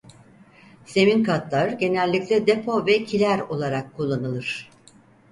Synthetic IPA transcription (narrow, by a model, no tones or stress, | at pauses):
se̞minkʰat̪lˠaɾɟe̞nælʲːiclʲɛd̪epʰo̞vɛcʰilʲæɾo̞lˠaɾakʰːulˠːanɯlˠɯɾ̥